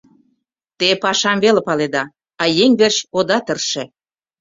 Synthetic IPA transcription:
t̪epɑʃɑmvelĕpɑled̪ɑ | ɑjeŋβerɕod̪ɑt̪ərʃĕ

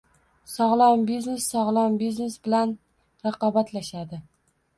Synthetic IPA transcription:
sɒʁlˠɒmbiznesːɒʁlˠɒmbizne̞sbɪlan | ɾɑqɒbat̪ʰlaʃad̪ɪ

